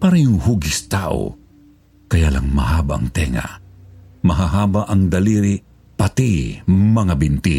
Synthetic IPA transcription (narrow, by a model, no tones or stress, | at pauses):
paɾɛjʊŋhuɡɪst̪aːʔo̰ | kɐjalaŋmɐ̰haːbaʔːŋt̪ɛŋa̰ | mɐɦaɦaːbaʔɐŋd̪ɐliɾi | pɐt̪imɐŋabɪnt̪i